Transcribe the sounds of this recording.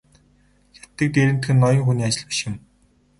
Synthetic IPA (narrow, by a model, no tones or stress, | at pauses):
xʲḁt̪ːɘ̆k̚t̪eɾɘ̆nt̪xɘ̆nːɔjɞ̆ŋxuniːat͡ɕɪ̆ɮpi̥ʃɪ̆m